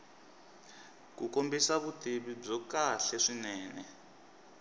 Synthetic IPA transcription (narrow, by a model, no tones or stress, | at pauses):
kukombisaβuteβib͡ʐɔkaɬɛʂinɛːnɛ